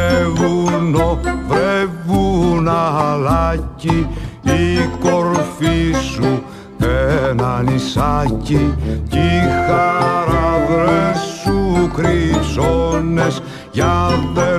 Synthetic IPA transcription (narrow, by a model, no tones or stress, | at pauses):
vunovɾevunalaciikoɾfisu | enɐnisɐcicixaɾɐðɾesukɾisones | ʝɐðe